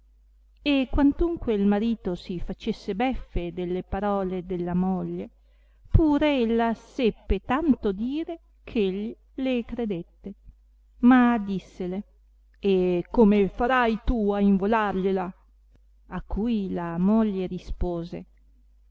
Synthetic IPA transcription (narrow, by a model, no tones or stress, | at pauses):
ekːwant̪uŋkweilmaɾiːt̪osifat͡ʃesːebɛfːed̪elːepaɾɔːled̪elːamoʎːe | puːɾeelːasɛpːet̪ant̪od̪iːɾe | kʰeʎːi | lekɾed̪et̪ːe | mad̪isːele | ekomefaɾajt̪uaiɱvolarʎela | akʰːujlamoʎːeɾispoːzḛ